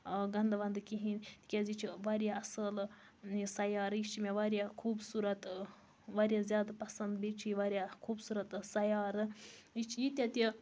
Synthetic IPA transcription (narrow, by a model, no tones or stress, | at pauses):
ɡɐnd̪ɐʋɐnd̪kiɦint̪i̥kʲazit͡ʃʰiʋaɾʲjaɐsəl | sɐjaːɾjit͡ʃimʲeʋaɾʲjakʰuːbsuːɾɐt̪ | ʋaɾʲjazʲjaːd̪pɐsɐnd̪bit͡ʃʰiʋaɾjakʰuːbsuːɾɐt̪sɐjaːɾɨit͡ʃʰijit̪ʲjat̪i